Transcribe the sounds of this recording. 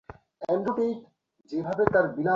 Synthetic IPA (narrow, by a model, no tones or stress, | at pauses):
ɛmɾoʈ̪it̪ | d͡ʑebʱabet̪aɾbina